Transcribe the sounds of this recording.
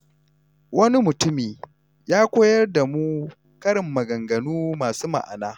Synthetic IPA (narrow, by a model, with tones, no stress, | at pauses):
wɐ˦ni˦mʊ˨tʊ˦miː˨ | jaː˦kʷoː˦jɐ˦rda˨mu˦ | kɐ˦ɽɪ˨mːɐ˨ɡɐ˨ŋɡɐ˨nuː˦maː˨suː˦ma̰˨ʔa̰˨naː˦